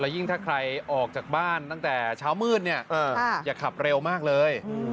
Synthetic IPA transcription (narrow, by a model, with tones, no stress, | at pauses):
la˧wji˥˩ŋt̪ʰaː˥˩kʰɾa˧jʔɔː˨˩k̚t͡ɕaː˨˩k̚baː˥˩nt̪a˥˩ŋt̪ɛː˨˩t͡ɕʰaː˦˥wmɯː˥˩t̪̚ni˥˩ɐʔʔaː˧˥˩jaː˨˩kʰa˨˩p̚ɾe˧wmaː˥˩k̚lɤː˧j